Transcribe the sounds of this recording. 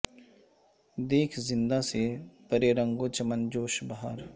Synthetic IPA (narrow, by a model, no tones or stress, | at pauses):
d̪eːkʰzɪ̃nd̪asepəɾeːɾə̃ŋɡõt͡ʃəmənd͡ʒoːʃbaɦaɾ